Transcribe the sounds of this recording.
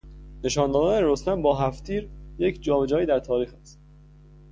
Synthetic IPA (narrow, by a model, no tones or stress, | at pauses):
ne̞ʃɒːnd̪ɒːɡ̪ɒːneɾost̪æmbɒːɦæft̪ʰiːɾje̞cʰd͡ʒɒːbed͡ʒɒːjiːd̪æɾt̪ʰɒːɾiːxæst̪̚